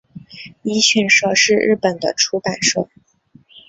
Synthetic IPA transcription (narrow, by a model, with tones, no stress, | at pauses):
i˥ɕy˥˧nʂɤ˥˧ʂɻ̩˥˧ɻɻ̩̰˥˩pə˨˩nd̪ə̰˦ʈ͡ʂʰu˧˥pa˨˩nʂɤ˥˩